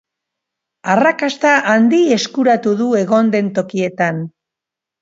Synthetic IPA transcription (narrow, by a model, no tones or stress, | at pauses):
arakast̪aʔand̪ie̞skuɾat̪uðue̞ɣo̞nd̪e̞nt̪o̞kie̞t̪an